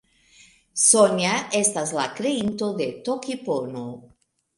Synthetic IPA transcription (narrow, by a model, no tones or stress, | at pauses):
sonjaʔest̪azlakɾeint̪oðet̪okipono